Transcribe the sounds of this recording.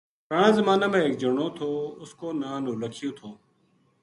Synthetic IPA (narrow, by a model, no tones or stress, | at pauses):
kəɳãːzəmaːnaːmẽːeːk̚d͡ʒəɳoːt̪ʰoːʊskoːnaːnõːləkʰɪjõːt̪ʰoː